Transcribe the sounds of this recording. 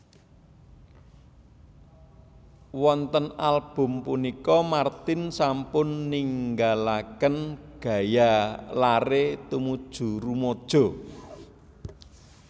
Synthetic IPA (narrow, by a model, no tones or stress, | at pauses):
wɔnt̪ənalb̥ʊ̤mpunikɔmart̪ɪnsampʊnːiŋɡalakənɡ̥ä̤jalaɾet̪umud̥ʒ̥ṳɾumod̥ʒ̥ɔ̤